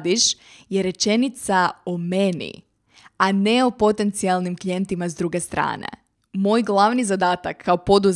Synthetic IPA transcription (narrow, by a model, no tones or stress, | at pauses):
d̪iʃjeɾe̞t͡ʃe̞nit̪saomenḭ | ane̞opo̞t̪e̞nt̪sialˠnimklije̞nt̪imazd̪ɾuɡe̞st̪ɾa̰ːnḛ | mo̞ːjɡlˠaʋnizad̪aːt̪akʰːaopo̞d̪uz